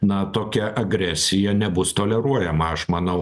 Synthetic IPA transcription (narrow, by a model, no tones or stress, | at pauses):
nɐt̪oːkʲɛʔɐɡɾʲæsʲɪjɛnʲɛbʊst̪oːlʲɛɾuɔjɛmɐɐʃmɐnɐʊ